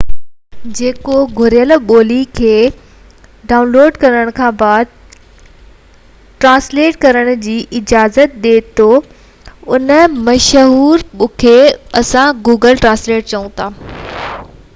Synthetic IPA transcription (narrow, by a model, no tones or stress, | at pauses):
d͡ʑeːkoɡʱʊɾijəlɓoːlikʰeː | ɖaːʊnloːɖkɐɾəɽ̃kʰãːbaːd̪̚ | ʈɾãːsleːʈkɐɾəɽ̃ʊd͡ʑiːʔɪd͡ʑaːzət̪̚ɗ̪eːt̪ʰo | ʊnəmɐʃɦuːɾɓʊkʰeɐsãɡuːɡəlʈɾãːnsleːʈ̚t͡ɕɐũt̪ʰaː